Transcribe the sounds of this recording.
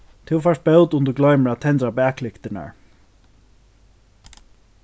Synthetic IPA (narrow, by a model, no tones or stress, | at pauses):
t̪ʰɪwfast̪̚bewt̪ʊnt̪əɾɡlœɥməɹat̪ʰɛnt̪ɾabæːkʰlɪkt̪ɪna̰ɹ